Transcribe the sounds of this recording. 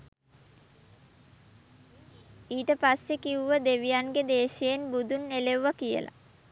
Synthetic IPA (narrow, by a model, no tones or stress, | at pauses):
iːʈəpasːekiuʋəd̪eʋijaŋɡed̪eːʃeːnbud̪unːeleuʋakijə̰la̰